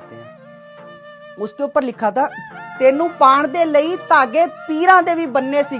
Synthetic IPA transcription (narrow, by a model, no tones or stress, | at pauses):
ʊsd̪eːʊpːəɾlɪkʰːaːt̪aːt̪eːnũːpaːɳd̪eːləiːt̪aːɡeːpiːɾãːd̪eːʋiːbənːeːsiː